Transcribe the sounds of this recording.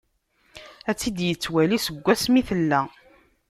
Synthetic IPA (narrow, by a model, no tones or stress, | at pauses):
æt͡sːid̪jət͡sːwælisəɡʷːæsmiθəlːæ